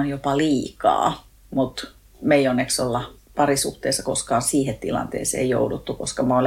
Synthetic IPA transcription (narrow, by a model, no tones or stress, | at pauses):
onjopɑliːkɑ̰ː | mut̪ | meionːeksolːɑ | pɑrisuht̪eːsːɑkoskɑːnsiːhet̪t̪ḭlɑ̰nt̪ḛːsḛːjjo̰udut̪ːukoskɑmɑol